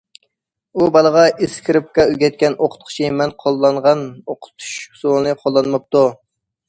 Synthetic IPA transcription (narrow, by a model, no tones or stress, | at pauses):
ubɑlˠəʁɑʔeskʲʰiɾɪp̚kɑyɡʲɛt̪̚kʲɛnoqʰə̥t̪̚qʰʊ̥t͡ʃʰimɛnqʰolˠːɑɴʁɑnoqʰʊ̥t̪ʰu̥ʃhu̥sulɨnɨqʰolˠːɑnmɨp̚t̪u